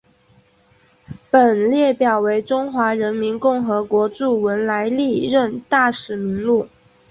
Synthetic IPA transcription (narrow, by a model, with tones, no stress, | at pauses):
pə˨˩nljɛ˥˩pjɑ˨˩ʊwe˧˥ɪʈ͡ʂʊ˥ŋxwa˧˥ɻə˧˥nmi˧˥nkʊ˥˩ŋxɤ˧˥kwɔ˧˥ʈ͡ʂu˥˩wə˧˥nla˧˥ɪli˥˧ɻə˥˧nt̪a˥˩ʂɻ̩˨˩mi˧˥ŋlu˥˩